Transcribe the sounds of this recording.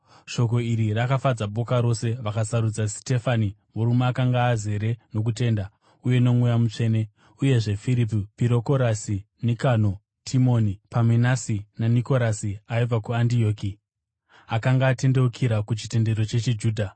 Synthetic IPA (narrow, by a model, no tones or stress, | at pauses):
ʃo̞k̬o̞iɾirakafad͡zaɓo̞kaɾo̞se̞ʋakasaɾud͡zasi̥te̞fanimuɾumeːkaŋɡaːze̞ɾe̞no̞k̬ute̞ːnda | uje̞no̞mujamut͡ʂe̞ːne̞ | uje̞ʐe̞fiɾip̬ipiɾo̞ko̞ɾasi | nikano̞ | tʰimo̞nipamwenasinaniko̞ɾasiaib͡vakuandio̞ːki | akaŋɡaːte̞nde̞ukʰiɾakut͡ʃi̥te̞nde̞ɾo̞t͡ʃe̞t͡ʃed͡ʒuːdʱa